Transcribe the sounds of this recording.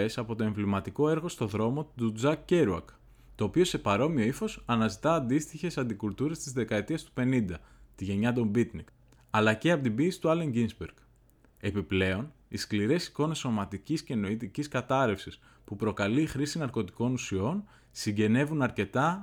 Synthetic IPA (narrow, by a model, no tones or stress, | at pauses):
esɐpo̞t̪o̞e̞ɱvlimɐt̪iko̞e̞ɾɣo̞st̪o̞ðɾo̞mo̞t̪ud͡zɐkːe̞ɾuɐ̰k | t̪o̞ːpio̞se̞pɐɾo̞mio̞ifo̞sɐnɐzit̪ɐːnd̪ist̪içe̞sɐnd̪ikult̪uɾe̞st̪izðe̞kɐe̞t̪iɐst̪u̥pe̞nind̪ɐt̪iʝe̞ɲɐt̪̬o̞mbit̪nik | ɐlɐce̞ɐpot̪ibiːsi̥t̪uɐle̞ŋɟinzbeɾɡ | e̞piple̞o̞niskliɾe̞si̥ko̞ne̞sːo̞mɐt̪icisceno̞it̪iciskɐt̪ɐɾe̞fsis | pupɾo̞kɐliːxɾisinɐɾko̞t̪i̥ko̞nusio̞n | siɲɟe̞ne̞vunɐɾce̞t̪ɐ